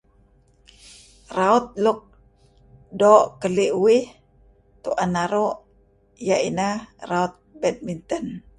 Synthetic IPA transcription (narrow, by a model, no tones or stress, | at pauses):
raut̪̚lʊk̚ | dɔʔkəliʔuwɪh | t̪uʔanaɾoʔ | jaʔinaraut̪̚bɛt̪̚mint̪ən